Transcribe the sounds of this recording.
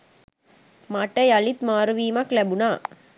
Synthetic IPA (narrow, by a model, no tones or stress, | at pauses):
mɐʈːɐjɐlit̪maːɾɯʋiːmaklɐbunaː